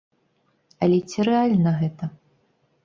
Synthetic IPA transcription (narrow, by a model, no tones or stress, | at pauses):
ɐlʲɛt͡sʲiɾɛalʲnɐɣɛt̪ɐ